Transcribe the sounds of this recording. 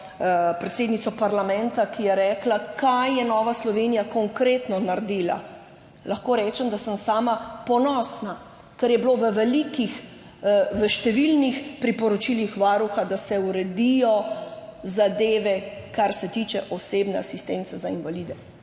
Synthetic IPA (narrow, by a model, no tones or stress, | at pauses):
pɾɛt̪seːd̪nit̪sɔpaɾlamɛnt̪akijɛɾɛːklakajːɛnɔːʋaslɔʋenijakɔŋkɾeːt̪nɔnaɾd̪iːla̰ | laxkoːɾɛːt͡ʃɛmd̪asəmsaːmapɔnɔːsna | kɛɾjɛbloʋəʋɛlikix | ʋəʃt̪ɛʋilnixpɾipɔɾɔt͡ʃilixʋaːɾuxad̪asɛuɾɛd̪ijɔ | zad̪eːʋɛkaɾsɛt̪iːt͡ʃɛʔɔseːbnɛasist̪ent̪sɛzainʋaliːd̪ɛ